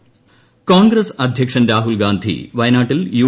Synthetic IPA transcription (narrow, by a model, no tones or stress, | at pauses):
koːnɡɾɐsɐd̪ʱjɐkʂɐnɾaːɦulɡaːnd̪ʱḭʋɐjɐnaːʈːiljuː